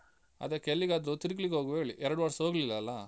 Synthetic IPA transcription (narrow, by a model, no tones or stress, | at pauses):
ɐ̰d̪ekelːiɡaːd̪ɾut̪iɾiklikeoːɡʋeːɭiʔɛɾɐɽuʋɐɽsoːɡlilːɐːlːɐ